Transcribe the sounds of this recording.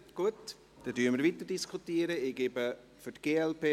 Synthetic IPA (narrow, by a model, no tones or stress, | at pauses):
ɡ̥uət | d̥ɛdyəməɾviːtəɾd̥iskʰutiəɾəeɡebə | fytɡ̥eːɛlpeː